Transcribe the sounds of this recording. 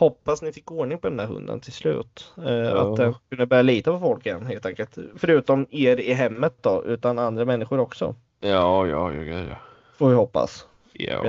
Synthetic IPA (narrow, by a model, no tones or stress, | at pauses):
hɔpːasnɪfɪkːoːɳɪŋpʰɔd̪ɛnd̪æɾɦɵ̰nd̪ə̰nt̪ʰɪlslʉ̟̰ːt̪a̰d̪ɛnkʰɵnd̪əbœɾjaliːt̪apʰɔfɔlkɪjɛnːɦeːlt̪ʰɛŋkəlt̪fœɾʉ̟ːt̪ɔmeːɾɪɦɛmːət̪̚d̪ɔʔʉ̟̰ːt̪anand̪ɾamɛnːɪɧʊɾɔksɔ̰ | jɑːjɑ̰jɑ̰ɡʉ̰jɑ̰ | foːvɪhɔpːa̰s